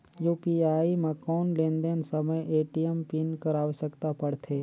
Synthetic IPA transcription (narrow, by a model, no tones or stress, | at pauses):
juːpiaːimẽkɔːnlẽnd̪ensəməjʔeːʈijəmpinkəɾaːʋsəkt̪apəɽt̪ʰeː